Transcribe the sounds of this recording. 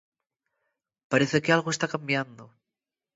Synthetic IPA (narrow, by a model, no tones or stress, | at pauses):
paɾeθekealɣoest̪akambjand̪o